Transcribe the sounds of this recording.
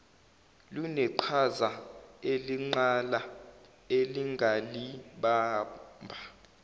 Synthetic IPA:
lunɛǃʰazaeliŋ͡ǀala | eliŋɡʱaliɓaːmbʱa

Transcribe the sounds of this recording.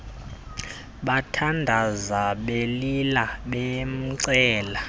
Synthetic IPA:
ɓatʰandʱazaɓelilaɓɛm̩ǀɛːla

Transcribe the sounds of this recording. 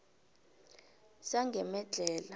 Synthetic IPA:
saŋɡʱɛmɛd͡ɮʱɛːla

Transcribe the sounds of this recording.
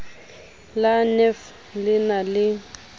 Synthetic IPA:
lanɛf | lɪnalɪ

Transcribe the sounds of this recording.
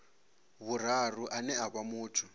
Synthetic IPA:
βur̤aruʔanɛaβamuːtʰu

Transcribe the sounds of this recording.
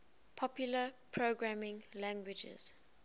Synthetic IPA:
pʰɔpjuləpʰɹoɡɹamɪ̃ŋlãŋɡwɪd͡ʒɛ̰z̥

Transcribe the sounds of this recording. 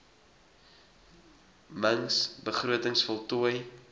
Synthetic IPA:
məŋsbəχruətəŋsfɔlˠtuəj

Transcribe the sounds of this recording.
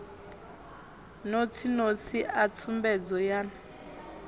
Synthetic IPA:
not͡sʰinot͡sʰiʔat͡sʰumbɛd͡zɔjaːna

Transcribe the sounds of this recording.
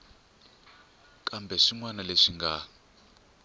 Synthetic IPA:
kʼambɛʂiŋwanaleʂiŋɡa

